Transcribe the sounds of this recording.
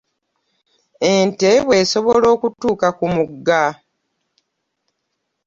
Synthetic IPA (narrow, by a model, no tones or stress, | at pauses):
enteβwe̞ːso̞βolo̞ːkutuːkakumuɡːa